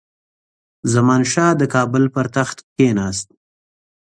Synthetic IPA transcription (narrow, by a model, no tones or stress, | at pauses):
zamɑnʃɑːd̪əkɑːbʊlpəɾt̪axt̪kenɑːst̪̚